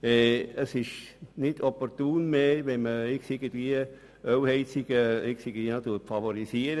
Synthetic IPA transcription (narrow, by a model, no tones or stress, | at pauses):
ɛəsɪʃnɪdɔpɔɾt̪uːnmeːʋɛnməɪksɪɡəntvʋiə | œwhɛɪt͡siɡ̥əɪksɪɡntvinɑtufɑvoɾisiəɾə